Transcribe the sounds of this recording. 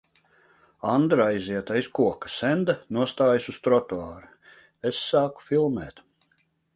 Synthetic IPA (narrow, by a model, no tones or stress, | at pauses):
and̪ɾaiziɛt̪ajskuɔkḁsɛnd̪anuɔst̪aːjsust̪ɾɔt̪oaːɾu | esːaːku̥filˠmɛ̰ːt̪